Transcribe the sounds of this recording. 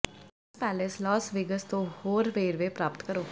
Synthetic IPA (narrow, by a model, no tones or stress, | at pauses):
spɛːleslɔːsʋɪɡəst̪õːhoːɾʋeːɾʋeːpɾaːpət̪kəɾoː